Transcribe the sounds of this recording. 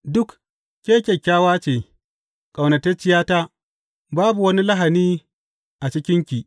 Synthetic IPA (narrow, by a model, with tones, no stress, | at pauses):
dʊ˦k | kʲːeː˦kʲe˨kʲːaː˦waː˦t͡ʃeː˨ | kʼa˨wnɐ˨te˦t͡ʃɪ˦jaː˦taː˦ | baː˦bu˨wɐ˦ni˦la˦ɦa˨niː˦ | ʔa˨t͡ʃɪ˦kʲɪ˦ŋkʲi˨ʔ